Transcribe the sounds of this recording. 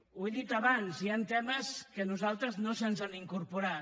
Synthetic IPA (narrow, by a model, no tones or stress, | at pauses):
weðit̪aβanziant̪ɛməskənuzalˠt̪ɾəznosənzaniŋkuɾpuɾa